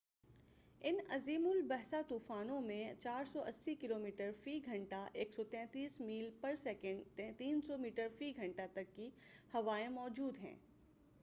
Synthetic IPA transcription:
ɪnɐziːmʊlbɛɦsat̪uːfaːnõmẽt͡ʃaːɾsɔʔɐsːikɪloːmiːʈəɾfiːɡʱɐ̃ɳʈaʔeːksɔt̪ɛ̃ːt̪iːsmiːlpɐɾsɛkə̃ɳɖt̪ːt̪iːnsɔmiːʈəɾfiɡʱɐ̃ɳʈat̪ɐkːihɐʋaːẽmɔːd͡ʒuːd̪ɦɛ̰̃ː

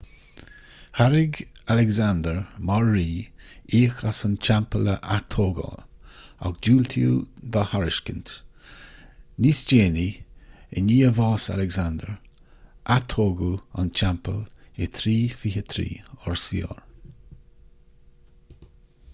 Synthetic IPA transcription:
haɾɪɡalɛɡzand̪əɹmɔɹːiːiːxasant͡ʃampələʔat̪ʰoːɡɔ̰ | a̰ɡd͡ʒuːlt̪ʰjṵːd̪ɔhaɾɪʃkənt̪ | nisd͡ʒeːniə̰niːəvɑːsa̰lɛɡzand̪əɹ | ʔat̪ʰoːɡua̰nt͡ʃampəlet̪ʰɾiːfihət̪ʰɾḭːɔɹsiɔ̰ɹ

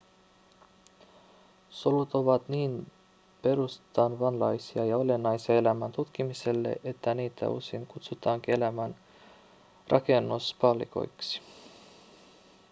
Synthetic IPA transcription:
solut̪o̞ʋɑt̪niːn | pe̞ɾust̪ɑːnʋɑnlɑjsiɑjɑo̞le̞nːɑjsiɑe̞læmænt̪ut̪k̟imise̞lːe̞̰ʔe̞t̪ːæniːt̪ʰæ̰ṵseŋkut̪sut̪ɑːŋk̟ie̞læmæn | rʔɑ̰ke̞nːuspɑlḭko̞̰jksi̥

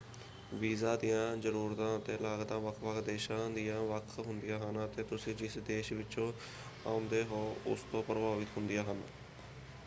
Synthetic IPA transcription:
ʋiːzaːd̪ijãːzəɾuːɾt̪ãːət̪eːlaːɡd̪ãːʋəkʰʋəkʰd̪eːʃãːd̪ɪjãːʋəkʰɦʊnd̪ɪjãːɦənət̪eːt̪ʊsĩːd͡ʒɪsd̪eːʃʋɪt͡ʃõː | a̰ːʊnd̪eːɦoːʊ̰st̪õːpɾəbaːʋɪt̪ɦʊnd̪ɪjaːɦən

